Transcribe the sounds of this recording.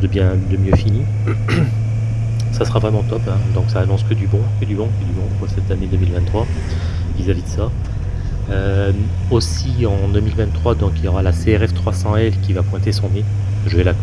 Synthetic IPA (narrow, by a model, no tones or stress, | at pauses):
d̪əbjɛ̃d̪əmjøfini | sasəʁavʁɛmɑ̃t̪ɔpɛ̃d̪ɔ̃ksaːnɔ̃skəd̪ybɔ̃kəd̪ybɔ̃kəd̪ybɔ̃əsɛt̪aned̪ømilvɛ̃t̪ːχwa | vizavid̪əsa | ø | os | iɑ̃d̪ømilvɛ̃t̪t̪ːχwad̪ɔ̃kiljɔʁalaseɛʁɛft̪χwasɑ̃ɛlkʲivapwɛ̃t̪esɔ̃ne | ʒəvɛla